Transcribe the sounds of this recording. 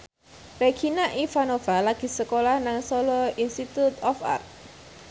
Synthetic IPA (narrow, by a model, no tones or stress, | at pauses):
rekʰinaʔifanovalaɡ̥i̤səkolahnaŋsɔlɔinst̪it̪ut̪ɔfa̰rt̪̚